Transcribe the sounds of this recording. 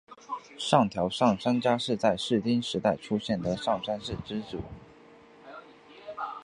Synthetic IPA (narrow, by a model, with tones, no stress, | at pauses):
ʂɑ˥˩ŋt̪ʰjɑ˧˥ʊʂɑ˥˨˩ŋʂa˥nt͡ɕja˥ʂɻ̩˥˧t͡sa˥˧ɪʂɻ̩˥˩t̪i˥nʂɻ̩˧˥t̪a˥˩ɪʈ͡ʂʰu˥ɕjɛ˥˩nd̪ə˩ʂɑ˥˩ŋʂa˥nʂɻ̩˥˩ʈ͡ʂɻ̩˥t͡sṵ˨˩˦